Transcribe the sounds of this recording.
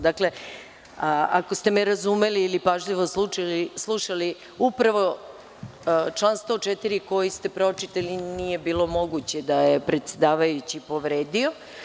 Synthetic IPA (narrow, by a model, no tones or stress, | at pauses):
d̪akle̞ | ako̞st̪e̞meɾazume̞liːlipaʒʎiʋoslulislˠuʃali | upɾaʋo̞ | t͡ʃlˠaːnst̪o̞t͡ʃet̪iɾiko̞jist̪e̞pɾo̞t͡ʃit̪alinije̞biːlˠo̞mo̞ɡut͡ɕe̞d̪ajepɾe̞t̪se̞d̪aːʋajut͡ɕipo̞ʋɾeːd̪io̞